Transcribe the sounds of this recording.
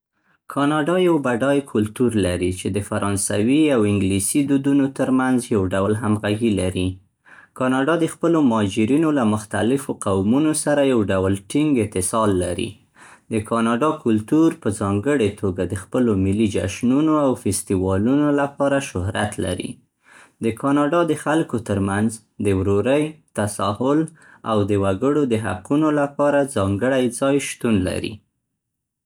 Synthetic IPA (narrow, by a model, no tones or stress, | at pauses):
kʰɑnɑɖɑjawbaɖɑjkʰʊlt̪uɾlaɾit͡ʃed̪əfaɾɑnsawiawɪŋɡlisid̪ud̪unot̪əɾmanzjawɖawlɦamɣaɡilaɾi | kɑnɑɖɑd̪əxpəlomɑd͡ʒɪɾinolamʊxt̪alɪfoqawmunosaɾajawɖawəlʈiŋɡɪt̪ɪsɑlːaɾḭ | d̪əkʰɑnɑɖɑkʊlt̪uɾpəzɑŋɡəɽet̪ʰoɡad̪əxpəlomɪlːid͡ʒa̰ʃnunoawfɪst̪iwɑlunolapɑɾaʃʊhɾa̰t̪la̰ɾḭ | d̪əkʰɑnɑɖɑd̪əxalkot̪əɾmanz | d̪əwɾoɾəjt̪asɑhʊl | a̰wd̪əwaɡəɽod̪əɦa̰qunolapɑɾazɑŋɡəɽajd͡zɑjʃt̪unla̰ɾḭ